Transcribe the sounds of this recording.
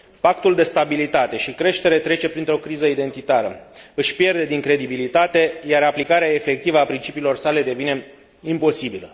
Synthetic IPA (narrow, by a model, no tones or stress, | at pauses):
pak̚t̪uld̪e̞st̪abilit̪at̪e̞ʃikɾe̞ʃt̪e̞ɾe̞t̪ɾe̞t͡ʃe̞pɾint̪ɾo̞kɾizəid̪e̞nt̪it̪aɾəɨʃpje̞rd̪e̞d̪iŋkɾe̞d̪ibilit̪at̪e̞jaɾaplikaɾeae̞fe̞k̚t̪ivəapɾint͡ʃipiːlo̞rsale̞d̪e̞vine̞ | impo̞sibilə